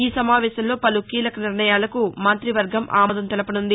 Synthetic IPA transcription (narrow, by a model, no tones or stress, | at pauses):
iːsɐmaːʋɛːʃɐmlo̞ːpɐlukiːlɐkɐniɾɳɐjaːlɐkumɐnt̪ɾiʋɐɾɡʱɐmʔa̰ːmɐd̪ɐmt̪ɛlɐpɐnund̪i